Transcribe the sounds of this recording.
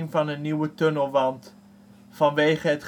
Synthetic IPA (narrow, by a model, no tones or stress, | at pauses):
ŋvɑnənːiwətønəlˠʋɑnt | fɑnʋejχəɦətχ